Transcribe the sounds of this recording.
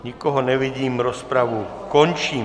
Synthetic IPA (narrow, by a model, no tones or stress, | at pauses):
ɲikɔɦɔnɛʋiɟiːmɾɔspɾaʋu | kɔɲt͡ʃiː